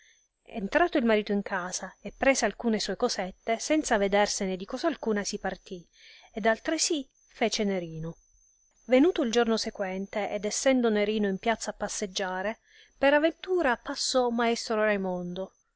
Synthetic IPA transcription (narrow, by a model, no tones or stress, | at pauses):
ḛnt̪ɾaːt̪oilmaɾiːt̪oiŋkʰaːz̥aepːɾeːzealkuːnesuːekozɛt̪ːesɛnt̪saved̪ɛrsened̪ikɔzaːlkuːnasipart̪i | ed̪alt̪ɾesi | fɛːt͡ʃeneɾiːno | venuːt̪oild͡ʒornosekwɛnt̪eʔed̪ɛsːɛnd̪oneɾiːnoimpjat̪sapːasːed͡ʒːaːɾe | peɾavːent̪uːɾapasːɔmaɛst̪ɾorajmond̪o